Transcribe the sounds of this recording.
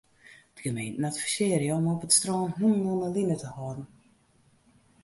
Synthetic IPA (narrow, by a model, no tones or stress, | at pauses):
d̥əɡəmejntn̩ɛtfəsɪərjəɔmɔpətstrɔːnɦunɔnəlinətəhɔːdn̩